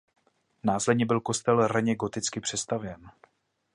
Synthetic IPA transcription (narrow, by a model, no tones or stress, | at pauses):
naːslɛd̪ɲɛbɪlko̞st̪ɛlɾaɲɛɡo̞t̪ɪt͡skɪpr̥ɛst̪avjɛn